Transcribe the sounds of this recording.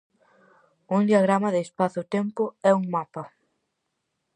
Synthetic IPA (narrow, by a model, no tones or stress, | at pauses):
uŋd̪iaɣɾamɐðeːspaθʊt̪empʊɛuŋmapɐ